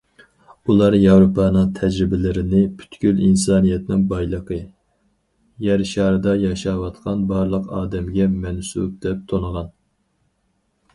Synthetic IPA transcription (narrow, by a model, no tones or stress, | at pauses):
ulˠɑɾjɑwɾopʰɑnɨŋt̪ʰɛd͡ʒɾɪbɪlɪɾɪnɪpʰy̥t̪ɡʲylinsɑːnijɛt̪nɪŋbɑjlˠəqʰə | jɛɾʃɑɾɨd̪ɑjɑʃɑwɑt̪qʰɑnbɑɾlˠəqɑːd̪ɛmɡʲɛmɛnsup̚d̪̥ɛp̚t̪ʰonəʁɑn